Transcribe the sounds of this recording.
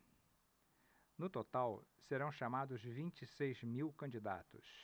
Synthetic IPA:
nʊt̪ot̪awseɾɐ̃w̃ʃamad̪ʊzvĩnt͡ʃisejzmiwkɐ̃d͡ʒid̪a̰t̪ʊ̰s

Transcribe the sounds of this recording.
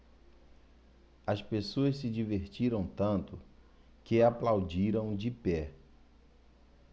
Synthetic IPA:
ɐspesoɐssɪd͡ʒiveɾt͡ʃiɾɐ̃w̃t̪ɐ̃nt̪ʊ | kɪaplawd͡ʒiɾɐ̃w̃d͡ʒɪpɛ

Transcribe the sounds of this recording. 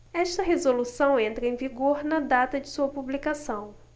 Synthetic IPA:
ɛʃt̪ɐɦezolusɐ̃w̃ẽnt̪ɾɐẽviɡoɾnɐd̪at̪ɐd͡ʒɪsuɐpublikasɐ̃w̃

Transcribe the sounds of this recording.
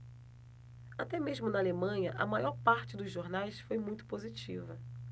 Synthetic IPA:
at̪ɛmeʒmʊnɐalemɐ̃ɲɐʔɐmajɔɾpaɾt͡ʃɪd̪ʊzʒoɾnajsfojmũj̃t̪ʊ̥pozit͡ʃivɐ

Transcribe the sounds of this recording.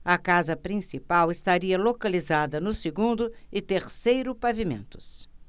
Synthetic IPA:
ɐkazɐpɾĩsipawɪst̪aɾiɐlokalizad̪ɐnʊsɪɡũnd̪ʊɪt̪eɾsejɾʊpavimḛ̃nt̪ʊ̥s

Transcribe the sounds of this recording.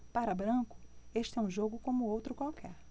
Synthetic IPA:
paɾɐbɾɐ̃kʊ̥eʃt͡ʃɪɛũʒoɡʊkõmʊowt̪ɾʊkwawkʰɛɾ

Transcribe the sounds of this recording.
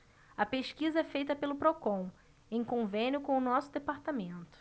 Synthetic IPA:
ɐpeʃkizɐɛfejt̪ɐpelʊpɾokõw̃ | ẽj̃kõvẽnʲjʊkõʊnɔsʊd̪epaɾt̪amẽnt̪ʊ̥

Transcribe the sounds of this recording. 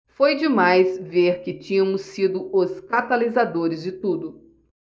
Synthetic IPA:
fojd͡ʒɪmajsveɾkɪt͡ʃĩɲɐ̃mʊsid̪ʊʊskat̪alizad̪oɾɪzd͡ʒɪt̪ud̪ʊ

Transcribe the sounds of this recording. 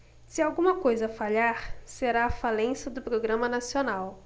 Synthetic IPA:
sɪawɡũmɐkojzɐfaʎaɾseɾaːfalẽsɐd̪ʊpɾoɡɾɐ̃mɐnasionaw

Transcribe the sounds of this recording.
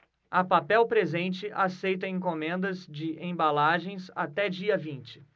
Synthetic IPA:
ɐpapɛwpɾezẽnt͡ʃɪʔasejt̪ɐẽkomẽnd̪ɐzd͡ʒɪʔẽbalaʒẽj̃sa̰t̪ɛd͡ʒiɐvĩnt͡ʃɪ̥

